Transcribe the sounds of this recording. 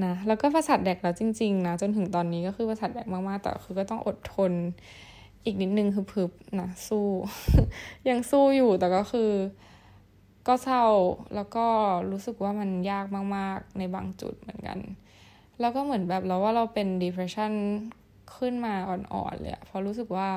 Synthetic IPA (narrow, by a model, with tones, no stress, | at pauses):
na˦˥lɛː˦˥wkɔː˥˩pʰaː˧sa˨˩t̪̚dɛː˨˩k̚lɛː˦˥wt͡ɕi˧ŋt͡ɕi˧ŋna˦˥t͡ɕo˧nt̪ʰɯ˨˩˦ŋt̪ɔː˧nːiː˦˥kɔː˥˩xɯː˧pʰaː˧sa˨˩t̪̚dɛː˨˩k̚maː˥˩k̚maː˥˩k̚t̪ɛ̰˨˩˦xʰɯː˧kɔː˥˩t̪ɔ˥˩ŋʔo˨˩t̪ʰːo˧n | ʔiː˨˩k̚ni˦˥t̪̚nɯ˨˧ŋkʰɯː˧pʰɯ˦˥p̚na˦˥suː˥˩ | ja˧ŋsuː˥˩juː˨˩t̪ɛː˨˩kɔː˥˩xɯː˧ | kɔː˥˩sa˥˩wlʔɛː˦˥wkɔː˥˩ɾuː˦˥sɯ˨˩k̚waː˥˩ma˧njaː˥˩k̚maː˥˩k̚maː˥˩k̚na˧jba̰ː˧ŋt͡ɕṵ˨˩t̪̚mɯ˩˦ənka̰˧n | lɛː˦˥wkɔː˥˩mɯ˩˦ə˦nbɛː˨˩p̚lɛ˧˥waː˥˩ɾa˧wpe˧ndiː˧pʰɛ˧sʰa˥˩˨n | kʰɯ˥˩˨nmaː˧ʔɔː˨˩nʔɔ̰ː˨˩nlɤ̰˧˦jʔa̰˨˩pʰɔ˧˥ɾuː˦˥sɯ˨˩k̚waː˥˩